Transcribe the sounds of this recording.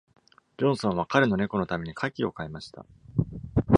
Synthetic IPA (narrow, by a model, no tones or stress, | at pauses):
d͡ʑõ̞ɰ̃sõɰ̃β̞akaɾɯno̞ne̞ko̞no̞t̪ame̞ɲ̟ikʰakʲio̞kaemaɕi̥t̪a̰